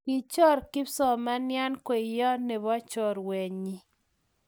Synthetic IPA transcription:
ki˨t͡ʃɔ˦ɾkɪ˦psɔ˨ma˦nja˦nkwe˨jɔ˦ne˨βɔ˦t͡ʃɔ˨ɾwe˨ɲi˦

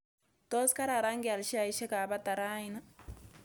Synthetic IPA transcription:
to˦ska˦ɾa˨ɾa˦ŋɡia˨lʃi˦a˨i˦ʃe˦ka˨βa˦t̪a˨ɾa˦ina˦

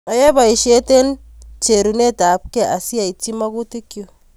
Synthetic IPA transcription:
a˨je˦ba˨i˨ʃe˦te˦n | t͡ʃe˨ɾu˨ne˦ta˨p̚kɛ˦˨ʔa˨si˦a˨i˨t͡ʃːi˦ma˦ku˦ti˦kju˨

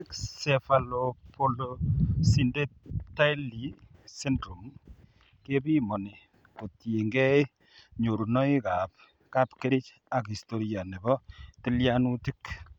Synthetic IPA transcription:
ksefalopolosinde˦ta˦jli˨se˦ndɾu˨m | ke˦bi˦mo˨ni˨ | ko˨tje˨ŋɡɛ˦i˦ | ɲo˨ɾu˨nɔ˦i˦ka˨p̚ | ka˦pke˦ɾi˦t͡ʃ | a˨ki˨sto˦ɾja˨ne˨bɔ˦ti˦ljanuti˦k

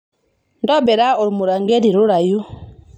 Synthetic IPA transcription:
ndɔ˦bɛ˨ɾa˦ɔ˨ɾi˨mu˨ɾa˨ŋɡɛ˦ɾi˨ɾu˦ɾa˨ju˦

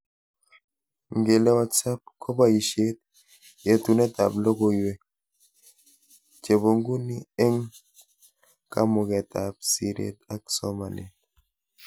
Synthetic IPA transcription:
ŋ̩˨ɡe˨lɛ˦wa˨t͡sa˦p̚kʰo˦ba˦i˨ʃe˦t̚ | jɛ˨tu˨nɛ˦ta̰˨blo˦ko˨jwe˨ | t͡ʃe˨bo˨ŋɡu˦ni˦e˦ŋ | ka̰˦mo˨kɛ˨ta˨p̚si˨ɾḛ˨ta˦ksɔ˦ma˨nḛ˨n

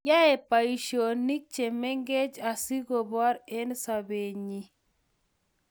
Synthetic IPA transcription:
ja˦e˨pa˨iʃo˨ni˦k̚t͡ʃe˨me˦ŋɡe˦d͡ʒa˨si˦ɡɔ˨ba˦ɾe˦nsa˨be˨ɲi˨

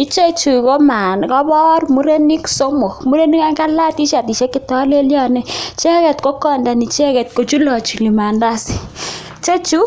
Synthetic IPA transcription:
i˦t͡ʃe˦t͡ʃu˨ko˦ma˨nkɔ˦bɔ˦rmu˦ɾe˦ni˦kso˦mo˨kmu˦ɾe˦ni˦ka˦ŋka˦la˦ti˦ʃa˨ti˨ʃe˦kɪ˦tɔ˨˦le˦ljɔ˦˨nɛ˦t͡ʃɛ˦kɛ˨tko˦kɔ˦˨nda˨ni˨t͡ʃɛ˦kɛ˨t̚ko˨t͡ʃu˦lɔ˨t͡ʃu˨li˨ma˨nda˦si̥˨ | t͡ʃe˦t͡ʃu˦

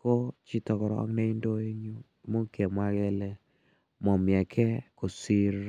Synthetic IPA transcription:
ko˦t͡ʃi˦tɔ˨kɔ˨ɾɔ˨ɔ̰˦ŋnɛ˦i˦ndo˦e˦ɲu˦ | mo˦ke˨mwa˦ɣɛ˦lɛ˦ | mɔ˨mja˨kʰɛ˦ko˨si˦ɾ

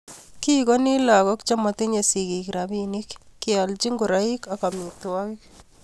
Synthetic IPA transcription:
ki˦kɔ˦ni˦la˨kɔ˦kt͡ʃa˦ma˨ti˦ɲe˨si˨kikɾa˨bi˦ni˦kːi˦a˨lt͡ʃi˦ŋɡu˨ɾa˦i˦ka˨ka˨mi˨twa˦ki˦k̚

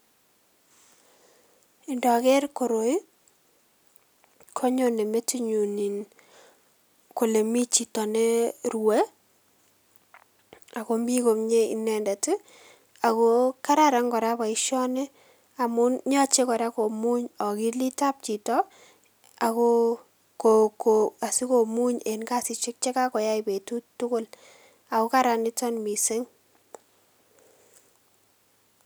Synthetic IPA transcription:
i˨ndɔ˨kɛ˦rko˨ɾo˨j | kʰo˦ɲo˦˨ne˨me˦ti˦ɲu˨ni˨n | ko˨le˨mi˦t͡ʃi˨tɔ˨ne˦rwe˦ | a˨ko˦mbi˦ko˨mɲe˦ḭ˨nɛ˨nda˨tɪ˦ | a˨ko˦ka˦ɾa˨ɾa˨ŋɡɔ˨ɾa˦βa˨i˦ʃɔ˦ne˦ | a˨mu˦nɲɔ˦t͡ʃe˦kɔ˨ɾa˦ko˨mu˦ɲɔ˨ki˦li˦ta˦p̚t͡ʃi˨tɔ˦ | a˨kɔ˦ | ko˨koa˨si˦ko˨mu˦ɲe˨nka˦si˨t͡ʃɪ˦k̚t͡ʃe˦ka˦kɔ˨ja˦i˨pe˨tu˦tʊ˦kʊ˦l | a˨kɔ˦ka˦ɾa˨nɪ˦tɔ˦nmi˨se˦ŋ

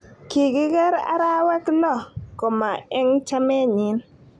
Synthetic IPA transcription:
ki˨ɡɪ˦ɡɛ˦ɾa̰˦ɾa˦wɛ˦klɔ˦˨ko˨ma˨ɛ˦ŋt͡ʃa˦mɛ˦ɲɪ˨˦n

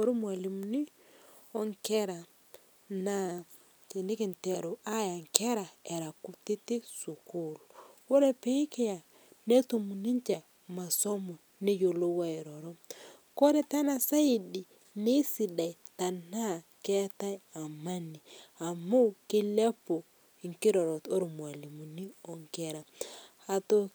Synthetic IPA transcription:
o˨ɾu˦mwa˨li˨m˦ni˦ | ɔ˦ŋkɛ˦ɾa˨ | na˦˨ | ti˨ni˦ki˨nte˨ɾo˨a˦ja˨ŋke˦ɾa˨e˨ɾa˨ku˦ti˦ti˦su˨ku˦˨lwo˦ɾe˦pe˦i˦ke˦ja˨ | ne˦to˨mu˨ni˦ɲt͡ʃe˨ | ma˨so˦mo˨ | ni˦jo˨lo˦wa˦i˨ɾɔ˨ɾɔ˦ | ko˦ɾe˦ta˦na˨sa˦i˨di˨ | ni˦si˨da˨i˨ta˨na˦˨ke˦ta˦ja˨ma˦ni˨a˨mo˦wki˦le˦po˨ | i˨ŋki˦ɾɔ˨ɾo˨to˦ɾu˨mwa˨li˨mu˨ni˦ɔ˨ŋkɛ˦ɾa˨ | a˨to˦

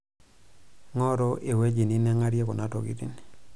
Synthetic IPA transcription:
ŋɔ˦ɾo˦ʔe˨we˦d͡ʒi˨ni˦nɛ˦ŋa˦ɾje˦ko˨na˦to̰˨ɡḭ˦tḭ˦n

